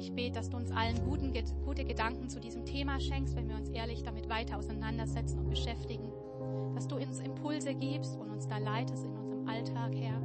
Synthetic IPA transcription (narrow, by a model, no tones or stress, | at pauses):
ʔɪçb̥eːtəd̥asd̥uːʊnsʔalənɡuːtn̩əɡ̥uːtəɡədaŋkŋ̩t͡sudiːzəmtʰeːmaːʃɛŋkstvɛnviːɐʊnsʔeːɐlɪçd̥amɪtv̥aɪtɐaʊsaɪnandɐzɛt͡sn̩ʊnt̚b̥əʃɛftɪɡŋ̩ | d̥asd̥uːʊnsɪmpʰʊlzəɡiːpstʊntʊnsd̥aːlaɪtʰəstɪnʔʊnzəʁəmʔaltʰaːkhɛːɐ